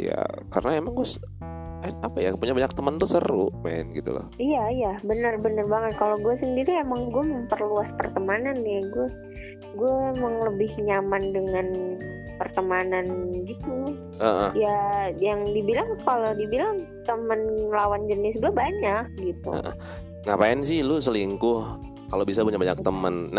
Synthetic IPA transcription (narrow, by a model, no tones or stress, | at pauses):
ja̰ka̰ɾənaemaŋɡuas | aapaja̰puɲabaɲak̚t̪əmənt̪usəɾṵma̰ɪ̰nɡit̪ṵla̰ijajabənərbənərbaŋət̪̚kaloɡuɛsəndiɾiemaŋɡuɛməmpərluaspərt̪əmananaɡuɛ | ɡuɛmaŋləbɪhɲamandəŋan | pərt̪əmananɡit̪u | aʔə̰jajaŋdibilaŋkalodibilaŋ | t̪əmənlawand͡ʒənɪsɡuabaɲak̚ɡit̪ṵə̰ʔə̰ | ŋapaɪns̬ɪhlʊsəliŋkʊh | kalobisabuɲabaɲak̚t̪əmənː